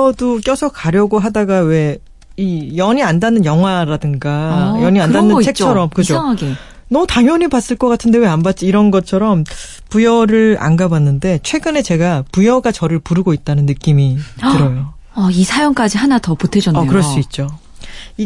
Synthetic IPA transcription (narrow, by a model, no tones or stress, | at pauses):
ʌdok͈jʌsʰʌkaɾjʌɡoɦadaɡawe̞ | ijʌɲiandanːɯnjʌŋɦwaɾadɯŋɡajʌɲiandanːɯnt͡ɕʰe̞k̚t͡ɕʰʌɾʌmkɯd͡ʑo | nʌtaŋjʌɲibas͈ɯɭk͈ʌk͈atʰɯnde̞we̞ambat̚t͡ɕ͈iːɾʌnɡʌt͡ɕʰʌɾʌm | pujʌɾɯɭa̰nɡabwanːɯnde̞t͡ɕʰwe̞ɡɯne̞t͡ɕe̞ɡapujʌɡat͡ɕʌɾɯɭpuɾɯɡoit̚t͈anɯnːɯk͈imitɯɾʌjo | ʌisʰajʌŋk͈ad͡ʑiɦanatʌputʰed͡ʑʌʌkɯɾʌɭs͈uit̚t͡ɕ͈o | i